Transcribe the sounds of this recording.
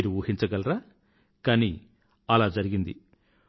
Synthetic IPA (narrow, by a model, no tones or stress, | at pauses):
ɾuuːhint͡ʃɐɡɐlɾaː | kaːni | ɐlaːd͡ʒɐɾiɡind̪i